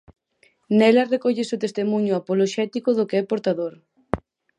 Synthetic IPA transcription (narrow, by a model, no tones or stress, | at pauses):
nɛlarekɔʎesot̪est̪emuɲʊapoloʃɛt̪ikʊðokeɛpoɾt̪aðoɾ